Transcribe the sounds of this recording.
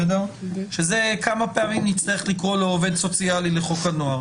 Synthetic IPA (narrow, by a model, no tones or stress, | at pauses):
edeʁʃe̞ze̞kamapeamimnitt͡st̪aʁeχlikʁo̞leove̞d̪so̞t͡sijalileχo̞kanoaʁ